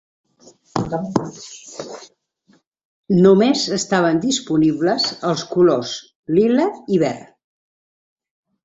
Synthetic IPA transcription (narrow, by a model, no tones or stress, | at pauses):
numezəst̪aβ̞ənd̪ispunibləzəlˠskulos | liləiβɛr